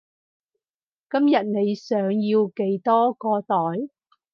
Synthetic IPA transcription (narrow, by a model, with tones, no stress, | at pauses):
kɐ˥mjɐ˨t̚ne˨˧jsœː˨˥ŋjiː˧wke˨˥jt̪ɔː˥kɔː˧t̪ɔː˨˥j